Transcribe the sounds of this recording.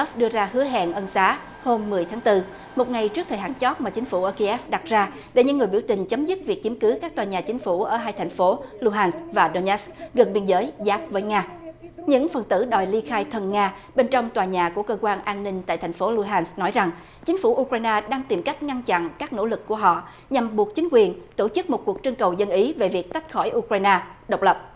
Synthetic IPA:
ɛ˦˥fɗɨ˧əzaː˧ɦɨ˨˦əɦa̰ː˧˨nʔə˧nsaː˨˦ | ho˧mːɨ˨˩əjt̪ʰaː˨˦ŋt̪ɨ˧ | mo˨˩t̚ŋa˨˩jt͡ɕɨ˦˥əkt̪ʰəː˨˩jɦa̰ː˧˩nt͡ɕɔ˦˥t̚maː˨˩t͡ɕï˨˦ŋ̟fu˧˩ʔəː˧˩ki˧ʔɛ˦˥fɗa˨˩t̚zaː˧ | ɗḛ˧˩ɲɨ̰˧˥ŋːɨ˨˩əɓəwt̪ï˨˩ŋ̟t͡ɕə˨˦mzɨ˦˥t̚vi˨˩ək̚t͡ɕi˨˦əmkɨ˨˦kaː˦˥k̚t̪waː˨˩ɲaː˨˩t͡ɕï˨˦ŋ̟fu˧˩ʔəː˧˩ɦaː˧jt̪ʰa˨˩jŋ̟fo˨˦lu˧ɦaː˧nsvaː˨˩ɗo˧nʔɛ˦˥skɣə˨˩nɓi˧ənzəː˨˦jzaː˦˥p̚vəː˨˦jŋaː˧ɲɨ̰˧˥ŋfə˨˩nt̪ɨ̰˧˩ɗɔ˨˩jli˧xaː˧jt̪ʰə˧˩nŋaː˧ | ɓe˧nt͡ɕɔ˧wŋ͡mt̪waː˨˩ɲaː˨˩ku˧˩əkəː˧kwaː˧nʔaː˧nːï˧ŋ̟t̪a̰ː˧˨t̪ʰa˨˩jŋ̟fo˨˦lu˧ɦaː˧nsnɔ˨˦jza˨˩ŋ | t͡ɕï˨˦ŋ̟fu˧˩ʔu˧kɹaː˧jnaː˧ɗaː˧ŋt̪i˨˩mka˦˥jk̟̚ŋa˧nt͡ɕa̰˧˨nkaː˦˥k̚no̰˧˥lɨ˨˩kːu˧˩əɦɔ̰˧˨ | ɲa˨˩mɓu˨˩ək̚t͡ɕï˨˦ŋ̟kwi˨˩ənt̪o˧˩t͡ɕɨ˦˥k̚mo˨˩t̚ku˨˩ək̚t͡ɕɨ˧ŋkə˨˩wzə˧nʔi˨˦ve˨˩vi˨˩ək̚t̪a˦˥k̟̚xɔ˧˩jʔu˧kwaː˧jnaː˧ɗə˨˩wk͡p̚lə˨˩p̚

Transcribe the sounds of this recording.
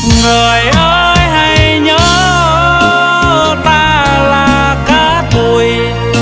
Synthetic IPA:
ŋəː˨˩jʔəː˧˦jɦa˧jɲəː˨˦ | t̪aː˧laː˨˩ | kaː˨˦ | t̪u˨˩j

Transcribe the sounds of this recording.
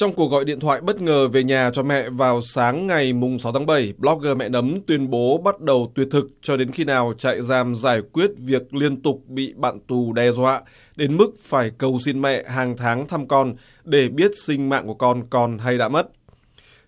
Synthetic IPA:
t͡ɕɔ˧wŋ͡mku˨˩ək̚ɣɔ̰˧˨jɗḭ˧˨ət̪ʰwa̰ː˧˨jɓə˦˥t̚ŋəː˨˩ve˨˩ɲaː˨˩t͡ɕɔ˧mɛ̰˧˨vaː˨˩wsaː˨˦ŋːa˨˩jmʊ˨˩ŋ͡msa˨˦wt̪ʰaː˨˦˥ɓə˧˩jɓlɔ˦˥k̚ɣəː˧˩mɛ̰˧˨nə˨˦mt̪wi˧ənɓo˨˦ɓa˦˥t̚ɗə˨˩wt̪wi˨˩ət̪ʰɨ˨˩k̚t͡ɕɔ˧ɗe˨˦nxi˧naː˨˩wt͡ɕa̰ː˧˨jzaː˨˩mzaː˧˩jkwi˦˥ət̚vi˨˩ək̚li˧ənt̪ʊ˨˩k͡p̚ɓḭ˧˨ɓa̰ː˧˨nt̪u˨˩ɗɛ˧˩zwa̰ː˧˨ | ɗe˨˦nmɨ˦˥k̚faː˧˩jkə˨˩wsi˧nmɛ̰˧˨ɦaː˨˩ŋt̪ʰaː˨˦ŋt̪ʰa˧mkɔ˧n | ɗe˧˩ɓi˦˥ət̚sï˧ŋ̟ma̰ː˧˨ŋku˧˩ə˩kɔ˧nkɔ˧nɦa˧jɗa̰ː˧˥mə˦˥t̚

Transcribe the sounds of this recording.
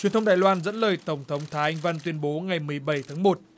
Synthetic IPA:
t͡ɕwi˨˩ənt̪ʰə˧ŋ͡mɗaː˨˩jlwaː˧nzə̰˧˥nləː˨˩jt̪ə˧˩wŋ͡mt̪ʰə˨˦wŋ͡mt̪ʰaː˨˦ʔa˧ŋva˧nt̪wi˧ənɓo˨˦ŋa˨˩jmɨ˨˩əjɓa˧˩jt̪ʰaː˨˦ŋmo˨˩t̚

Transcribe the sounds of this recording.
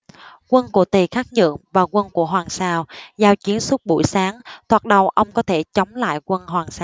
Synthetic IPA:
kwə˧nku˧˩ət̪i˨˩xaː˦˥k̚ɲə̰˧˨əŋvaː˨˩kwə˧nku˧˩əɦwaː˨˩ŋsaː˧˩wzaː˧wt͡ɕi˨˦ənswə˦˥t̚ɓṵ˧˩˨jsaː˨˦ŋt̪ʰwaː˨˩ɗə˨˩wʔə˧wŋ͡mkɔ˨˦t̪ʰe˧˩t͡ɕə˨˦wŋ͡mla̰ː˧˨jkwə˧nɦwaː˨˩ŋsaː˧˩w

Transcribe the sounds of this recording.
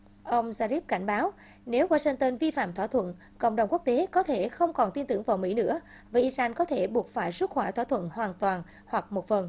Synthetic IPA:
ʔə˧wŋ͡mzaː˧zi˦˥p̚ka˧˩jŋ̟ɓaː˨˦w | ne˨˦wɣaː˧si˧ŋt̪əː˧nvi˧fa̰ː˧˨mt̪ʰwaː˧˩t̪ʰwə̰˧˨n | kə̰˧˨ŋ͡mɗə˨˩wŋ͡mku˦˥k̚t̪e˨˦kɔ˨˦t̪ʰe˧˩xə˧wŋ͡mkɔ˨˩nt̪i˧nt̪ɨ˧˩əŋvaː˨˩wmḭ˧˥nɨ̰˧˥ə | vaː˨˩ʔi˧zaː˧nkɔ˨˦t̪ʰe˧˩ɓu˨˩ət̚faː˧˩jsə˦˥t̚xwɛː˧˩t̪ʰwaː˧˥˩t̪ʰwə̰˧˨nhwaː˨˩nt̪waː˨˩n | hwa˨˩k̚mo˨˩t̚fə˨˩n

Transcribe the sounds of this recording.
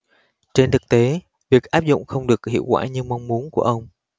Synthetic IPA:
t͡ɕe˧nt̪ʰɨ˨˩k̚t̪e˨˦ | vi˨˩ək̚ʔaː˦˥p̚zʊ̰˧˨ŋ͡mxə˧wŋ͡mɗɨ˨˩ək̚hḭ˧˨əwkwa̰ː˧˩ɲɨ˧ma˧wŋ͡mmu˨˦ənku˧˩əʔə˧wŋ͡m

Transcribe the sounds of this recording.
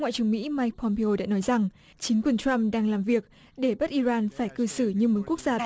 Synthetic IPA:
ŋa̰ː˧˨jt͡ɕɨ˨˩əŋmḭ˧˥maː˧jk̚pʰɔ˧mpe˧o˧ɗa̰ː˧˥nɔ˨˦jza˨˩ŋ | t͡ɕï˨˦ŋ̟kwi˨˩nt͡ɕa˧mɗaː˧ŋlaː˨˩mvi˨˩ək̚ | ɗe˧˩ɓə˦˥t̚ʔi˧zaː˧nfaː˧˩jkɨ˧sɨ˧˩ɲɨ˧mo˨˦ku˦˥k̚z̥aː˧

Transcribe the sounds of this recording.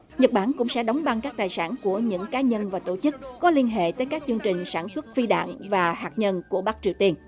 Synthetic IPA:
ɲə˨˩t̚ɓaː˧˩nkʊ̰˧˥ŋ͡msɛ̰˧˥ɗa˨˦wŋ͡mɓa˧˩ŋkaː˦˥k̚t̪aː˨˩jsaː˧˩nku˧˩əɲɨ̰˧˥ŋkaː˨˦ɲə˧nvaː˨˩t̪o˧˩t͡ɕɨ˦˥k̚ːɔ˨˦li˧ənɦḛ˧˨t̪əː˨˦jkaː˦˥k̚t͡ɕɨ˧əŋt͡ɕï˨˩ŋ̟saː˧˩nswə˦˥t̚fi˧ɗa̰ː˧˨ŋvaː˨˩haː˨˩k̚ɲə˧nku˧˩əɓa˦˥k̚t͡ɕi˨˩əwt̪i˧ən

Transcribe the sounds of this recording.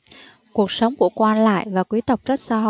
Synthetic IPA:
ku˨˩ək̚sə˨˦wŋ͡mku˧˩əkwaː˧nla̰ː˧˨jvaː˨˩kwi˨˦t̪ə˨˩wk͡p̚zə˦˥t̚saː˧ɦɔ̰˧˨

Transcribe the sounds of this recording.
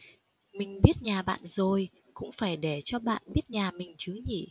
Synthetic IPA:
mï˨˩ŋ̟ɓi˦˥ət̚ɲaː˨˩ɓa̰ː˧˨nzo˨˩j | kʊ̰˧˥ŋ͡mfaː˧˩jɗe˧˩t͡ɕɔ˧ɓa̰ː˧˨nɓi˦˥ət̚ɲaː˨˩mï˨˩ŋ̟t͡ɕɨ˨˦ɲḭ˧˨

